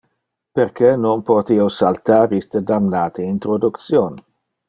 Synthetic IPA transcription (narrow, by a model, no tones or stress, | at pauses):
peɾkenonpot̪iosalt̪aːɾist̪əd̪amnaːt̪eint̪ɾod̪ukt̪sjon